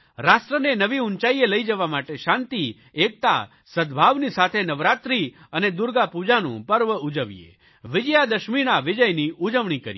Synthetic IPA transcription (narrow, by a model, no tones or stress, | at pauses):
ɾasʈɾənenəʋiunt͡ʃaieləjd͡ʒəʋamaʈeʃãnt̪i | ek̚t̪a̰ | səd̪bʱaʋnisat̪ʰenəʋɾat̪ɾi | əned̪ʊɾɡapud͡ʒanṵ̃pəɾʋəud͡ʒəʋijḛ | ʋɪd͡ʒjad̪əʃmiɽ̃aʋɪd͡ʒəjniʔud͡ʒəʋɳ̃ikə̰ɾje